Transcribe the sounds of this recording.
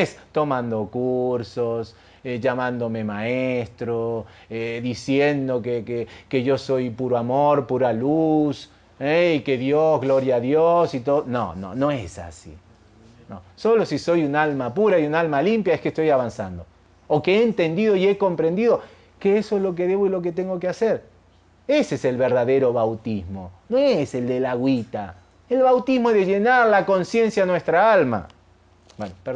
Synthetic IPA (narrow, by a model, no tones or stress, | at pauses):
est̪o̞mãnd̪o̞kuɾsos | eʝamãnd̪o̞me̞maeest̪ɾo | eðisje̞nd̪o̞kekeke̞ʝo̞so̞jpuɾoamoɾpuɾalus | eike̞ðjozɣlo̞ɾjaːðjosit̪oðno̰no̰noesa̰sḭ | no̰so̞lo̞siso̞junalmapuɾaiunalmalimpjaeskest̪o̞jaβansa̰nd̪o̞ː | keeːnt̪e̞nd̪iðo̞ie̞ko̞mpɾe̞nd̪iðo̞ | keesoezlok̬eðe̞βo̞ilo̞k̬et̪e̞ŋɡo̞kease̞ɾ | e̞seese̞lβe̞ɾðaðe̞ɾo̞βawt̪izmo̞noese̞ld̪e̞laɣwit̪a | elβawt̪izmoeðeʝe̞naɾlako̞nsje̞nsjanwe̞st̪ɾaalma̰ | bwenope